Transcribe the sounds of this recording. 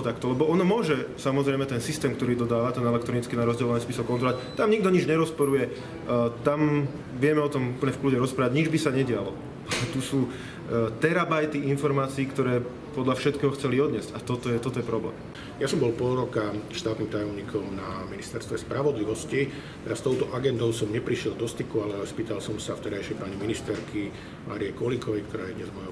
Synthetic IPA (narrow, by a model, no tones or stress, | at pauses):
t̪akt̪ɔlɛbɔɔnɔmʊɔʒɛsamɔzɾɛjmɛt̪ɛnsist̪ɛːmk̚t̪ɔɾiːd̪ɔd̪aːʋat̪ɛnɛlɛkt̪ɾɔnit͡skinaɾɔzɟɛlɔʋanispisɔkːɔnt̪ɾɔlact̪amɲiɡd̪ɔɲid͡ʒɲɛɾɔspɔɾujɛ | t̪am | ʋɪɛmɛɔt̪ɔmupl̩ɲɛfkluɟɛɾɔspɾaːʋaɟɲid͡ʒbisaɲɛɟɪalɔ | alɛt̪usuː | t̪ɛɾabajt̪iinfɔɾmaːt͡siːkt̪ɔɾɛː | pɔd̪ʎafʃɛt̪̚kɛːɦɔxt͡sɛliɔd̪ɲɪɛz̥cat̪ɔt̪ɔjɛt̪ɔt̪ɔjɛpɾɔblɛ̰ːm | jasɔmbɔlpɔɾɔkaʃt̪aːt̪niːmt̪ajɔmɲiːkʰɔmnaminist̪ɛɾst̪ʋɛspɾaʋɔd̪liʋɔsci | t̪ɛɾast̪ɔʊt̪ɔʔaɡɛnd̪ɔʊsɔmɲɛpɾiʃɪɛld̪ɔst̪ikualɛɛspiːt̪alsɔmsaft̪ɛɾajʃɪɛpaɲiminist̪ɛɾkʰi | mʔa̰ːɾijɛkɔlikɔʋɛjkt̪ɔɾaːjɛd̪ɲɛzmɔjɔ